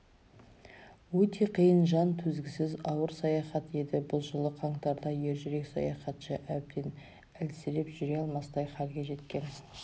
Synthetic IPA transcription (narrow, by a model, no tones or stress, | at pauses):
wɵt̪ʰe̞qʰijənʒɑnt̪ʰɵzɡʲɪsɪzɑwəɾsɑjɑχɑt̪je̞d̪ɪbʊlˠʒəlˠəqʰɑɴt̪ɑɾd̪ɑje̞ɾʒɪɾe̞ksɑ̰jɑχɑt̪ʃɑʔæb̚d̪e̞n | ælsɪɾe̞pʒ̥ʏɾe̞ɑlˠmɑsd̪ɑjχɑɾɡʲe̞ʒe̞t̪kʲe̞n